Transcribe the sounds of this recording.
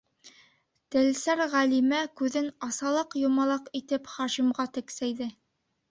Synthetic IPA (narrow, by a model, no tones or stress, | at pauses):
t̪ɘ̆lsæɾʁælimækʉðɘnɑsɑlˠɑqjŏmɑlˠɑqit̪ɘpχɑʃimʁɑt̪ɘ̆ksæjðɘ